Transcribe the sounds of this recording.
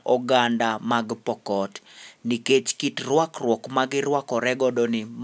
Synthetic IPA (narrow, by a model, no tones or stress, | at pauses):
ʔɔɡandamaɡpɔkɔtniket͡ʃkitrwakrwɔkmaɡɪɾwakɔɾɛɡɔdɔnɪm